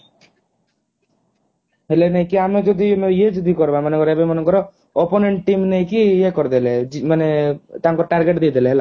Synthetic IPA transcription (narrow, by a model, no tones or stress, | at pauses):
ɦelenajkiamed͡ʒɔd̪ʱimejed͡ʒɔd̪ʱikɔɾbamɔnekɔɾebemɔnekɔɾɔ | oponeɳʈʈimnejkijekɔɾd̪eled͡ʒimanet̪aŋkɔʈaɾɡeʈd̪ejd̪ʱeleɦela